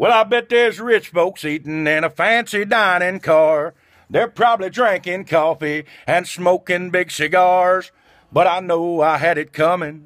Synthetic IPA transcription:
wɛlˠaɪbɛt̪̚ðəzɹɪt͡ʃfoʊksitn̩ɪ̃nəfæ̃nsidãɪ̃ñɪ̃nkʰɑɹ | ðə˞pʰɹ̥ɑbəblidɹæ̃ŋkɪ̃ŋkʰɔfiɨ̃nsmoʊkɪ̃nbɪɡsɨɡɑɹz̥ | b̥ʌɾaɪnoʊaɪɨɾɨt̚kʰʌmɪ̃ŋ

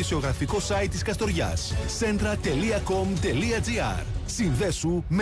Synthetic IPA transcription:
isio̞ɣɾɐfiko̞sɐit̪ːiskɐst̪o̞ɾʝɐ̰sse̞nd̪ɾɐt̪e̞liɐko̞mt̪e̞liɐd͡ziɐ̰ɾsinðe̞sum

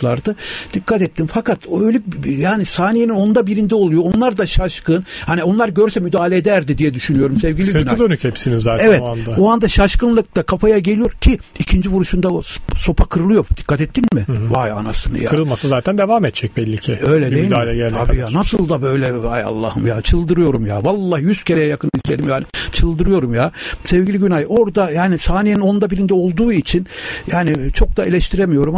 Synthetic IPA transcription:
lˠaɾd̪ɯd̪̥ikʰːat̪ɛt̪ʰːinfakat̪ʰøjlʲɛjaːnisaːnijenino̞nd̪abiɾind̪ɛo̞lˠujo̞onlˠaɾd̪aʃaʃkɯnhanio̞nlˠaɾɟøɾsɛmyd̪aːlʲeːd̪æɾd̪id̪ijɛd̪yʃynyjo̞ɾumsɛvɟʲilʲisɾnd̪ønychɛpsinizːaːt̪ɛvɛt̪and̪aoand̪aʃaʃkɯnlˠɯk̚t̪akʰafajaɟe̞lʲijo̞ɾcʰiicʰind͡ʒivuɾuʃund̪aoso̞pʰakʰɯɾɯlˠɯjo̞ɾd̪̥i̥kʰːat̪ɛt̪ʰːinmɪvaja̰nasɯnɯ̰ja̰ɾɯlˠmasɯzaːt̪ʰænd̪evaːmɛt̪̚t͡ʃɛc̚bɛlʲːicʰɛø̞jlʲɛd̪eilʲɛɟælʲabijaːnasɯlˠd̪abø̞jlʲɛvaja̰lˠːa̰hɯmja̰ːt͡ʃʰɯlˠd̪ɯɾɯjo̞ɾumja̰ːvalˠːahjyscʰe̞ɾejɛjakɯnist̪ʰʲe̞d̪imjanit͡ʃʰɯlˠd̪ɯɾɯjo̞ɾumjaːsɛvɟilʲiɟynajo̞ɾd̪ajaːnisaːnejeninound̪abilʲind̪ɛo̞lˠd̪uːit͡ʃʰinjaːnit͡ʃʰo̞k̚d̪aelʲɛʃt̪ʰiɾemijo̞ɾum

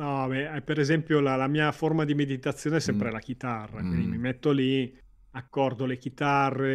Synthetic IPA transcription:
ɔbɛɛpeɾezɛmpjolalamiːaformad̪imed̪it̪at̪sːjoːnesɛmpɾelak̟it̪arːa̰kwḭnd̪imimet̪ːoli | akːɔrd̪olekit̪arːe

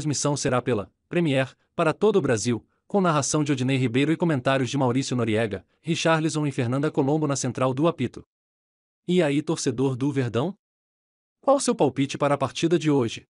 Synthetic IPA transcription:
zmisɐ̃w̃seɾapelɐ | pɾemiɛɾ | paɾɐt̪od̪ʊːbɾaziw | kõnaɦasɐ̃w̃d͡ʒɪod͡ʒinejɦibejɾʊɪkõmẽnt̪aɾjʊzd͡ʒɪmawɾisjʊnoɾiɛɡɐ | hiʃaɾlizõw̃ĩfeɾnɐ̃nd̪ɐkolõbʊnɐsẽnt̪ɾawd̪ʊapit̪ʊ̥ | iait̪oɾsed̪oɾd̪ʊveɾd̪ɐ̃w̃ | kwawsewpawpit͡ʃɪpaɾɐːpaɾt͡ʃid̪ɐd͡ʒɪoʒɪ

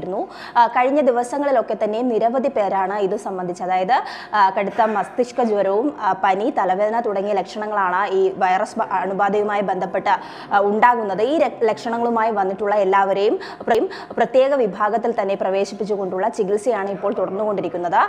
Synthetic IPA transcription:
ɾunːu | kɐɻiɲːɐd̪iʋɐsɐŋːɐɭilo̞kːe̞t̪ːɐnːe̞niɾɐʋɐd̪ʱipe̞ːɾaːɳɨiðɨsɐmbɐnd̪ʱit͡ɕːɐðaːjɐðɨ | kɐɽut̪ːɐmɐst̪iʂkɐd͡ʑuʋɐɾɐʋumpɐnit̪ɐlɐʋe̞ːd̪ɐnɐt̪uɽɐŋːijɐlekʂɐɳɐŋːɐɭaːɳɨiːʋɐjɐrɐsɐɐnubaːd̪ʱɐjumaːjibe̞nd̪ʱɐpːe̞ʈːɨ | uɳɖaːɣunːɐðɨiːɾelekʂɐɳɐŋːɐɭumaːjiʋɐnːiʈːuɭːɐe̞lːaːʋɐɾe̞jum | prɐjum | prɐt̪je̞ːɣɐʋibʱaːɡɐt̪ːilt̪ɐnːe̞prɐʋe̞ːɕipːit͡ɕːuɣo̞ɳɖuɭːɐt͡ɕiɡilsijaːɳɨipːo̞ːɭt̪uɽɐrnːuɣo̞ɳɖiɾikʲːunːɐðɨ

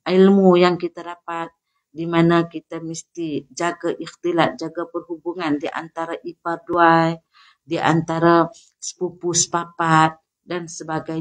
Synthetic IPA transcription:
ilmujaŋkit̪adapat̪̚ | dimanakit̪amist̪id͡ʒaɡaʔixt̪ilat̪̚d͡ʒaɡapərhubuŋandiʔa̰nt̪aɾaʔiparduaj | diʔa̰nt̪aɾa | sə̥pupuspapat̪̚ | dansəbaɡaj

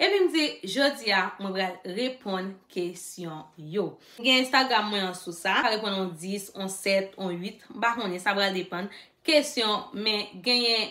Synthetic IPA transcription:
epim̩d͡ziʒod͡ziamwɛ̃pɣalɣepʰɔ̃nkʰesjɔ̃jo | ɡɛ̃jɛ̃ɛ̃st̪aɡʁamːw̃ɛ̃ãsusaɣepɔ̃nɔ̃d͡zisɔ̃sɛt̪ɔ̃ɥit̪m̩pakõnɛ̃sapɣald̪epãn | kesjɔ̃mɛ̃ɡɛ̃jɛ̃

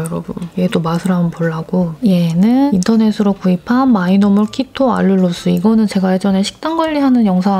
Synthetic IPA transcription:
jʌɾʌbunjedomasʰɯɾaɯnpoɭːaɡ̥ojenɯnintʰʌne̞sʰɯɾokuipʰanmainomɯɭkʰitʰoa̰ʎːuɭːos͈ɯiɡʌnɯnt͡ɕe̞ɡajed͡ʑʌnɦe̞ɕʰi̥k̚t͈aŋɡʌʎːiɦanɯnjʌŋsʰa

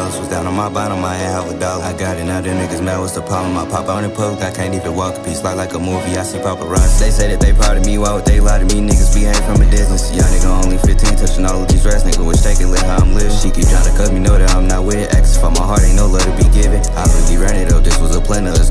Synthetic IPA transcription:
ɛlˠəswʌzdãʊ̃nə̃nmaɪbãnəmaɪɛhɛlˠvədɑlaɪɡɑɾɨ̃naʊdɨ̃nɪɡɨzmɛwʌz̥təpʰɑbə̃maɪpʰɑpãñɨ̃pʰoʊlkaɪkʰæ̃ntivɨ̃nwɔkpʰislaɪklaɪkəmɔɹviæɪsipʰɑpəɹʌ̃nðeɪseɪðɨt̪̚ðeɪpʰɑɹɾɨmiwaɪwəd̪̚ðeɪlaɾɨminɪɡɨzbiheɪ̥fɹʌ̃mɨdɪznɨsjaɪnɪk̚õõʊ̃nlifɪtʰɨitʰʌt͡ʃɨ̃nɔlˠʌvðizɹɛsnɪ̃ŋbʌwɨ̥tʰeɪkɨ̃lɪthããɪ̃mlɪṽʃikɨtʰãnɨkʰʌz̚minoʊðɨɾãɪ̃mnət̚wɪʔɛksfə̃maɪɦɑɹt̚ẽɪnoʊlɛɾɨbiɡɪvɨ̃ŋaɪwʌɾbiɹɛɾɨɾoʊðɪswʌzəpʰl̥ɛ̃nʌz

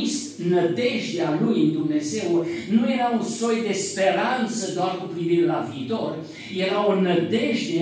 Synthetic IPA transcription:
ist̪ | nəd̪e̞ʒd̪ealujɨnd̪umne̞ze̞wnuje̞ɾaunso̞jd̪e̞spe̞ɾant̪səd̪oarkupɾiviɾe̞laviːt̪o̞r | je̞ɾaonəd̪e̞ʒd̪e

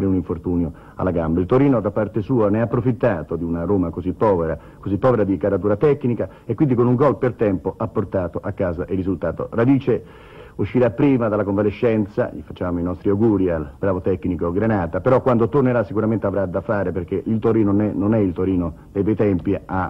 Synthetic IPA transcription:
ɾeuniɱfort̪uːnjo | a̰lːaɡambailt̪oɾiːnod̪apːart̪esuːaneapːɾofit̪ːaːt̪od̪iunaɾoːmakozipːɔːveɾa | kozipːɔːveɾad̪ikaɾat̪uːɾat̪ɛkːnika | ekːwind̪ikonuŋɡɔlpert̪ɛmpoʔapːort̪aːt̪oʔakːaːzaʔerːizult̪aːt̪o̰rad̪iːt͡ʃe | uʃːiɾapːɾiːmad̪alakoɱvaleʃːɛnt̪sa̰ʎḭfḁt͡ʃːaːmoinɔst̪ɾiawɡuːɾialbɾaːvot̪ɛkːnikoɡɾenaːt̪apeɾɔkwand̪ot̪orneɾasːikuɾament̪eavɾad̪afaːɾeperk̟eʔilt̪oɾiːnonɛnonɛilt̪oɾiːno | d̪ejpɛjt̪ɛmpia

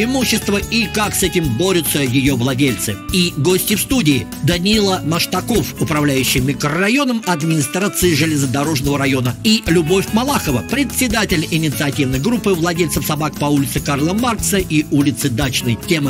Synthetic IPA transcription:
ɪmuɕːɪst̪vəikaksɛtʲɪmbo̞ɾʲʊt̪səjɪjo̞vlˠɐdʲelʲt̪sɨiɡo̞sʲtʲɪfst̪udʲɪː | d̪ənʲɪilˠəməʂt̪ɐko̞fʊpɾɐvlʲæjʉɕːɪjmʲɪkɾəːɐjo̞nəmɐd̪mʲɪnʲɪst̪ɾat̪sɨɪʐɨlʲɪzəd̪ɐɾo̞ʐnəvəɾɐjo̞nəilʲʊbo̞fʲmɐlˠaxəvəpɾʲɪt̪ʲsʲːɪd̪atʲɪlʲɪnʲɪt̪sɨɐtʲivnəjɡɾupːɨvlˠɐdʲelʲt̪səfsɐbakpɐulʲɪt̪sɨkarlˠəmart̪səʔiulʲɪt̪sɨd̪at͡ɕnəjtʲemɨ

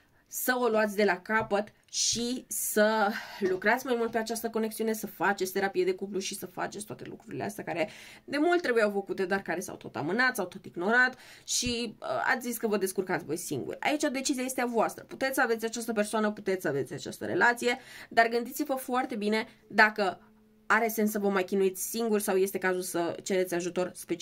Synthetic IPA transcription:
səoluat̪sʲd̪e̞lakapət̪ | ʃisəlukɾat̪sʲmajmult̪pe̞at͡ʃast̪əko̞neksiune̞səfat͡ʃet̪sʲt̪eɾapijed̪e̞kup̬luʃisəfa̰t͡ʃesʲt̪a̰t̪e̞̰lṵkɾuɾilea̰st̪eakaɾe̞d̪e̞mult̪ːɾe̞bujawfəkut̪e̞d̪oarkaɾe̞sa̰wt̪o̞̰t̪a̰mɨnat̪sawt̪o̞t̪iɡno̞ɾat̪ʃiə̰a̰t̪sʲziskəvəd̪eskurkat̪sʲvo̞jsḭŋɡṵrʲa̰it͡ʃad̪e̞t͡ʃiziaje̞st̪eavoast̪ɾəput̪e̞t̪ssəave̞t̪sʲat͡ʃast̪əpe̞rsoanəput̪e̞t̪sʲsəave̞t̪sʲat͡ʃa̰st̪ə̰ɾe̞̰lat̪sije̞d̪arɡɨnd̪it̪sʲivəfoart̪e̞bine̞ | d̪akə | aɾe̞sensːəvəmajkʲinuit̪sʲsiŋɡurʲsawje̞st̪e̞kazulsət͡ʃe̞ɾe̞t̪sʲaʒut̪o̞rspe

